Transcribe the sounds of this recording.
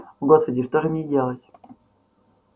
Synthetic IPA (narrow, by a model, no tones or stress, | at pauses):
vɡospədʲɪʂt̪oʐɨmʲɪdʲelˠətʲ